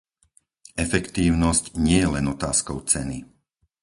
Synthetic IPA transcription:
ɛfɛkt̪iːʊnɔscɲɪɛjɛlɛnɔt̪aːskɔʊt͡sɛni

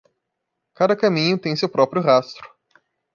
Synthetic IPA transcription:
kad̪ɐkɐmĩɲʊt̪ẽj̃sewpɾɔpɾjʊɦast̪ɾʊ̥

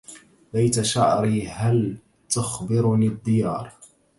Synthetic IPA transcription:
bajt̪aʃaʕɾiːhal | t̪ʊxbɪɾnid̪ːɪjɑːɾˤ

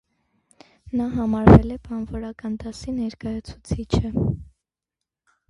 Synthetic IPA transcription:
nɑɦɑmɑɾvɛlɛpʰɑnvɔɾɑkɑnd̪ɑsinɛɾkɑjɑt͡sʰu̥t͡sʰit͡ʃʰə

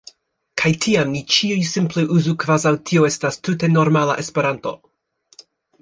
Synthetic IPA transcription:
kʰajtʰiamnit͡ʃiujsimpleʔuzukvazawtʰioe̞stastute̞noɾmala̰ʔespe̞ɾanto̞̰

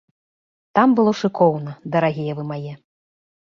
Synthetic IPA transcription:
t̪ambɨlˠɔʂɨkʰɔwnɐd̪ɐɾaɣʲijɛvɨmajɛ

